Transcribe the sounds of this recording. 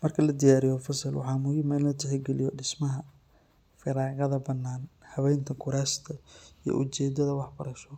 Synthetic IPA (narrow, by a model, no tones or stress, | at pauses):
mɐrkʰɐlɐd̪ɪjaːɾɪjɔfɐsɐlwɑ̰ħɑːmʊjɪmɛllɐt̪ʰɛħɪɡɛlɪ̰jɔɖɪsmɐɦɐ | fɪɾaːɣɐðɐbɐnːaːnhɐβɛjnt̪ʰɐkʰʊɾaːst̪ʰɐijɔ̰ʔʊt͡ʃɛːd̪ɐðɐwɑħbɐɾɐʃɔ